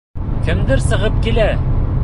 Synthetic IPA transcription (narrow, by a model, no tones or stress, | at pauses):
kɘ̆md̪ɘɾsɤ̆ʁɤp̚kilæ